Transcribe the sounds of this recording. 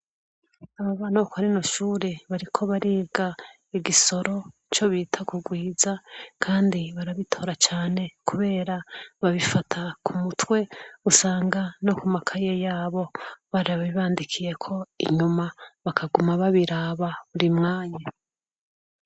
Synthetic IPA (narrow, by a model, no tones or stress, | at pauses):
aβaβaːnakohaɾinoʃuːɾe̞βaɾikʰo̞βaɾeːɡa | iɡiso̞ɾo̞ | t͡ʃo̞βiːtʰakuɡwiːzakʰaːndiβaɾaβitʰo̞ːɾat͡ʃaːne̞kuβe̞ːɾaβaβifatʰakʰumutwe̞usaːŋɡano̞kumakʰajejaːβo̞βaɾaβiβaːndikʰije̞kʰo̞ḭɲumaβakʰaɡumaβaβiɾaːβaβuɾimŋaːɲa